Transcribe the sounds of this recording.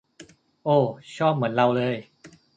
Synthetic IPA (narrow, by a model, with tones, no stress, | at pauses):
ʔoː˧˩t͡ɕʰɔː˥˩p̚mɯ˩˦ənɾa˧wlɤː˧j